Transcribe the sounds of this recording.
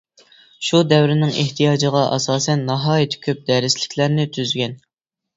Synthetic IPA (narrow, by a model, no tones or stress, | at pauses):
ʃud̪ɛwɾɪnɪŋeht̪ʰijɑːd͡ʒəʁɑʔɑsɑːsɛnːɑɦɑːjit̪ʰkʲʰøp̚d̪ɛɾɪslɪ̥kʲʰlæɾnɪt̪ʰyzɡʲɛn